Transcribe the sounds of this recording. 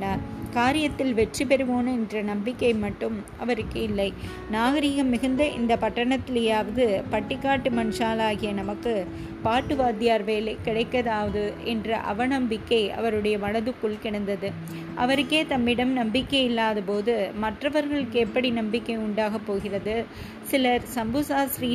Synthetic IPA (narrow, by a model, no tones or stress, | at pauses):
naːɾ | kaːɾɪjɐt̪ːɪlʋɛʈripɛɾɯʋoːnɯɛndrɐnɐmbɪkːɐɪmɐʈːɯm | ʔɐʋɐɾɯkːɯɪlːɐɪ | naːɣɐɾiːɣɐmːɪɣɯnd̪ɐʔɪ̰nd̪ɐpɐʈːɐɳɐt̪ːɪlejaːʋɐðɯpɐʈːɪkːaːʈːɯmɐnʂaːlaːɣɪjɐnɐmɐkːɯ | paːʈːɯʋaːd̪ɪjaːɾʋeːlɐɪkɪɽɐɪkːɐðaːʋɐðɯɛndrɐ̰ʔɐ̰ʋɐnɐmbɪkːɐɪɐ̰ʋɐɾɯɽɐjɐʋɐɭɐðɯkːɯɭkɪɽɐnd̪ɐðɯ | ʔɐʋɐɾɯkːeːt̪ɐmːɪɽɐmnɐmbɪkːɐjɪlːaːðɐpoːðɯmɐʈrɐʋɐɾɣɐɭɯkːɛpːɐɽinɐmbɪkːɐɪʊɳɖaːɣɐpːoːɣɪrɐðɯ | sɪlɐɾsɐmbɯsaːsɾi